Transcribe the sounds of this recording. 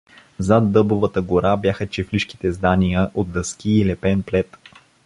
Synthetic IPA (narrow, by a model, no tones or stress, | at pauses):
zad̪ːɤbovət̪əɡoɾabjaxət͡ʃɛfliʃki̥t̪ɛzd̪anijəʔod̪̚d̪əsk̟ʲiːlɛpɛnplɛt̪